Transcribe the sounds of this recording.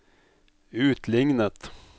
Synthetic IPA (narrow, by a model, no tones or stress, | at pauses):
ʉːt̪ʰlɪŋnət̪